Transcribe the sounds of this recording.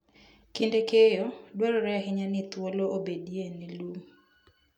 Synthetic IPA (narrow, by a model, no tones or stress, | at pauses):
kindekejɔdwaɾɔɾɛɦɪɲanɪt̪woloobedienilum